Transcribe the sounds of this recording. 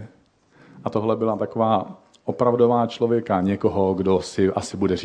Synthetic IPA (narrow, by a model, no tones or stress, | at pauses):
ʔat̪oɦlɛbɪlat̪akovaː | ʔopɾavdovaːt͡ʃlovjɛkaɲɛkoɦoɡdosɪʔasɪbudɛɾi